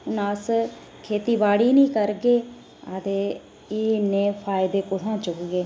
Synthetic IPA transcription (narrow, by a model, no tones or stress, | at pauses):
ʊnaːs | kʰeːt̪iːbaːɽiːnĩːkəɾɡeː | ad̪eː | eːnẽːpʰaːɪd̪eːkʊt̪ãːt͡ʃʊkɡeː